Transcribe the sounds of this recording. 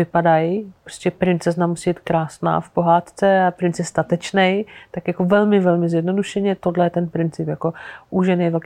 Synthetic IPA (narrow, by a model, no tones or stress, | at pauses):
ɪpadajpɾo̥scɛpɾɪnt͡sɛznamusiːbiːt̪̚kɾaːsna̰ːfpo̞ɦaːt̪t͡sɛapɾɪnt͡sjɛst̪at̪ɛt͡ʃnɛjt̪akjako̞vɛlmɪvɛlmɪzjɛdno̞duʃɛɲɛt̪odlɛjɛt̪ɛnpɾɪnt͡sɪpjako̞ʔuʒɛnejvɛlk